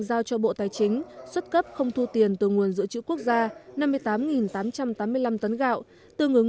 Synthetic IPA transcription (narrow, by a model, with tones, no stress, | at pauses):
ŋzaː˧wt͡ɕɔ˧ɓo̰˧˨t̪aː˨˩jt͡ɕï˨˦ŋ̟swə˦˥t̚kə˦˥p̚xə˧wŋ͡mt̪ʰu˧t̪i˨˩ənt̪ɨ˨˩ŋu˨˩ənzɨ̰˧˥ət͡ɕɨ̰˧˥ku˦˥ək̚zaː˧na˧mːɨ˧jt̪aː˨˦mŋi˨˩nt̪aː˨˦mt͡ɕa˧mt̪aː˨˦mːɨ˧əjla˧mt̪ə˨˦nɣa̰ː˧˨w | t̪ɨ˧˩ŋɨ˨˩əŋ